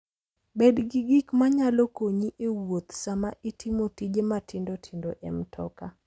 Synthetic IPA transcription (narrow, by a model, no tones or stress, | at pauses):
bedɡiɡikmaɲalokoɲiʔewot̪samaʔitʰimotid͡ʒematʰɪndotʰindoʔɛmtʰɔka